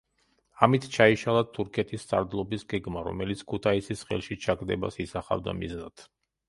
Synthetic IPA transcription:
amit̪ʰt͡ʃʰaiʃalˠat̪ʰuɾkʰɛt̪ʰist̪sʼaɾd̪lˠɔbisɡɛɡmaɾɔ̰mɛlit̪sʰkʰut̪ʰaisisχɛ̰lˠʃit͡ʃʰakd̪ɛba̰sisaχa̰vd̪a̰miznat̪ʰ

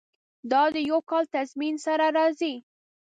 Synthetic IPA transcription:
d̪ɑd̪əjawkɑlt̪azminsaɾaɾɑzi

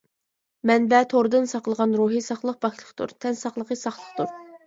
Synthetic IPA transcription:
mɛnbɛt̪ʰoɾd̪ɨnsɑqlˠəʁɑnɾuːɦisɑχlˠəχ̚bɑklˠəχt̪ṵɾt̪ʰɛnsɑχlˠəʁɨsɑχlˠəχt̪uɾ

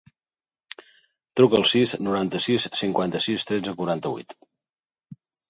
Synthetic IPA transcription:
t̪ɾukəlˠsisnuɾant̪əsisːiŋkwant̪əsist̪ɾɛd͡zəkuɾant̪əβṵjt̪

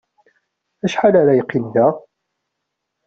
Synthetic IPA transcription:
æʃħalaɾajqːilðæ

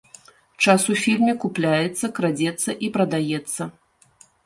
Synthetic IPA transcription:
t͡ʂasufʲilʲmʲɛkuplʲajɛt̪sːɐkɾad͡zʲɛt̪sːɐʔipɾɐd̪ajɛt̪sːɐ

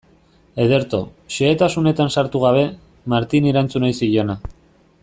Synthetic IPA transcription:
e̞ð̞e̞ɾt̪o̞ʃeːt̪asune̞t̪ansaɾt̪uɣ̞aβ̞e̞ | maɾt̪iniɾant͡sunojsiʎo̞na

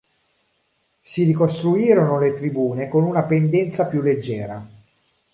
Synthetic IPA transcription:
siɾikost̪ɾuiːɾonolet̪ɾibuːnekonunapend̪ɛnt̪sapjulːed͡ʒːɛːɾa

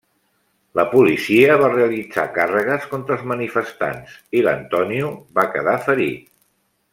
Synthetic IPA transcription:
ləpulisiəβareəlid͡za̰karəɣ̞əskont̪ɾəlˠzmənifəst̪a̰nsilə̰nt̪ɔniuβakəðafəɾi

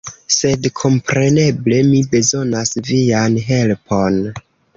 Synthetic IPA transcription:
se̞dkʰo̞mpɾe̞ne̞ble̞mibe̞zo̞nasvianɦe̞lpʰo̞n

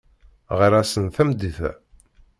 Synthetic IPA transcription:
ʁəɾæsənθæmd̪iθæ̰

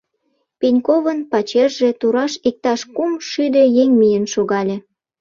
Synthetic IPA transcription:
pinʲkovənpɑt͡ɕerʒe̽t̪uɾɑʃik̚t̪ɑʃkumʃyd̪e̽jeŋmijənʃoɣɑlʲe

